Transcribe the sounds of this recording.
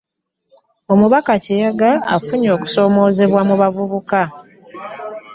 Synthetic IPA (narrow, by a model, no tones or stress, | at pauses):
o̞muβakacejaɡaa̰fuɲo̞ːku̥so̞ːmo̞ːze̞βwamuβavuβuka